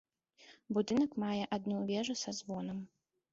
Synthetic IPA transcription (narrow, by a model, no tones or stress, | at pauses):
bud̪ɨnɐkmajɛʔad̪nuvʲɛʐusazvɔnɐm